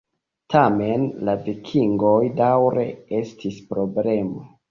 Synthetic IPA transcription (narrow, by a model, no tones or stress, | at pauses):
tame̞nlavikʰiŋɡo̞jdawɾe̞e̞stispɾo̞ble̞mo